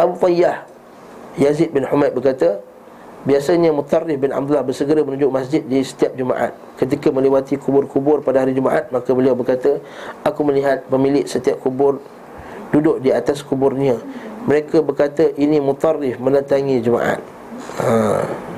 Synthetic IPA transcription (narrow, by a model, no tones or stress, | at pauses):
ʔabut̪ɑjːah | jazit̪̚bɪnhumat̪̚bərkat̪ə | biasaɲəmut̪ˤɑrːɪfbɪna̰b̚d̪ulahbərsəɡəɾamənud͡ʒʊk̚masd͡ʒɪt̪̚disə̥t̪iap̚d͡ʒuma̰ʔa̰t̪̚kət̪̬ikamə̃lewat̪ikubʊrkubʊrpadaɦaɾid͡ʒumaʔat̪̚makəbəliawbərkat̪ə | akuməliɦat̪̚pəmilɪʔsət̪iap̚kubʊr | dudʊʔ̚diat̪askubʊrɲiaməɾekabərkat̪əʔinimut̪ˤɑrːɪfmə̃nət̪aŋĩd͡ʒəma̰ʔa̰t̪̚ | a